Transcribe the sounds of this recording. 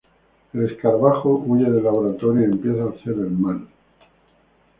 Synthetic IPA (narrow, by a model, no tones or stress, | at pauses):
ele̞skaɾβaxoʔuʝeðelːaβoɾat̪oɾjoempje̞θaːseɾelmal